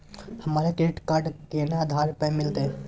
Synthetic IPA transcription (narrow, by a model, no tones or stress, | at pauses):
hɐmaːɾekeʈkaɾɖkenaaːd̪ʱaɾpəmɪlt̪e